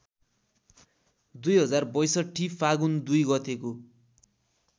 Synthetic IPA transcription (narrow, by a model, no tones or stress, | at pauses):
d̪ujɦʌd͡zarbʌjsʌʈʰːipʰaɡund̪ujɡʌt̪eko